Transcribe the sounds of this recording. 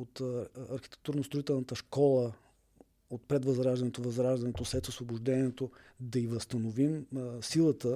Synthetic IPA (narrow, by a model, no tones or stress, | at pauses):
ot̪ɐɾxi̥t̪ɛ̥k̚t̪uɾnost̪ɾoit̪ɛlˠnət̪əʃkɔlˠə | ot̪̚pɾɛd̪vəzɾaʒd̪ɐnɛt̪ovɐzɾaʒd̪ɐnɛt̪osɛt̪osvoboʒd̪ɛniɛt̪od̪ɐivəst̪ənovimsilˠət̪ə